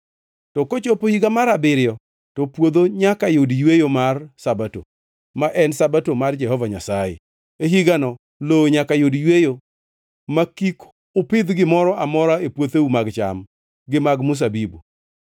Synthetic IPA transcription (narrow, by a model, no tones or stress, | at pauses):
tɔkot͡ʃopohiɡamaɾabɪɾjɔ | tɔpwod̪oɲakajodjwejomarsabato̰ | maʔɛnsabatomard͡ʒɛɦɔvaɲasajḛ | eɦiɡanɔ | loɲakajodjwejo | makik | ʊpɪd̪ɡɪmɔɾɔʔamɔɾaepwot̪eumaɡt͡ʃa̰m | ɡɪmaɡmʊs̬abibṵ